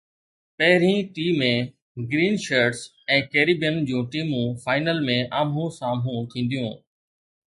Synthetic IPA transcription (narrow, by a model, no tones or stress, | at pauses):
pɐɦɪɾĩʈiːmẽ | ɡɾiːnʃəːɾʈs | ɛ̃ːkeːɾiːbjənd͡ʑũːʈiːmũfaːɪnəlmẽʔaːmũsãːmũt̪ʰĩːn̆d̪ijũː